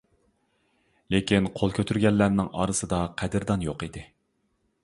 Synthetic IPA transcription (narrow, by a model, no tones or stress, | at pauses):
lekʲʰinqʰolˠkʲʰøt̪ʰyɾɡʲɛlːæɾnɪŋɑ̰ːɾɨsɨd̪ɑqʰɛd̪ɪɾd̪ɑnjoqid̪ɪ